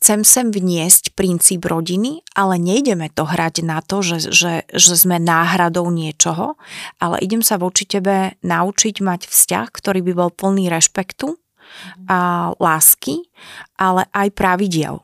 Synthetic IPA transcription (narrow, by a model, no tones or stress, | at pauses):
xt͡sɛmsɛmvɲɪɛscpɾint͡siːbɾɔɟiniʔalɛɲɛjɟɛmɛt̪ɔɦɾaɟnat̪ɔʒɛʒɛʒɛzmɛnaːɦɾad̪ɔʊɲɪɛt͡ʃɔɦɔʔalɛ̰ʔiɟɛmsaʋɔt͡ʃicɛbɛnaut͡ʃiɟmacfsca̰xkt̪ɔɾiːbibɔlpl̩niːɾɛʃpɛkt̪u | alaːskiʔalɛ̰ʔajpɾaʋiɟɪɛ̰l